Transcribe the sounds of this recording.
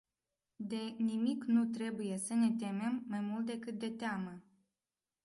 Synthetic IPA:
d̪e̞nimiknut̪ɾe̞buje̞səne̞t̪̬e̞me̞mːajmult̪̚d̪e̞kɨt̪̚d̪e̞t̪eamə

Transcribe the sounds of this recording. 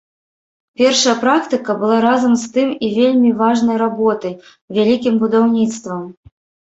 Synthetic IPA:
pʲɛrʂɐjɐpɾakt̪ɨkɐbɨlˠaɾazɐmst̪ɨmivʲelʲmʲivaʐnɐjɾabɔt̪ɐj | vʲalʲikʲimbud̪awnʲit̪st̪vɐm

